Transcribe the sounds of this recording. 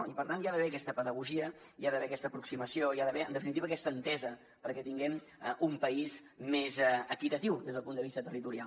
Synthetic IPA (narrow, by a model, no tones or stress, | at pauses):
ipəɾt̪anjaðəβɛəkɛst̪əpəðəɣuʒiə | jaðəβɛəkɛst̪əpɾuksiməsioiaðəβɛənəfinit̪iβəːkɛst̪ənt̪ɛzə | pəɾkɛt̪iŋɡɛm | umpəiz | mezəkit̪ət̪iwd̪ezðəlˠpund̪əβist̪ət̪ərit̪uɾial